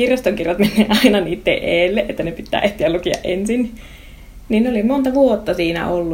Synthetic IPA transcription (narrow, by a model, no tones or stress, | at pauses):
irjost̪oŋkirjɑt̪menːeːnʔɑinɑniːt̪ːḛʔeːlːeʔet̪ːænepit̪ːæ̰ːʔeht̪iælukiɑ̰ʔʔensin | niːnneolimont̪ɑʋuot̪ːɑsiːnæ̰ʔolːu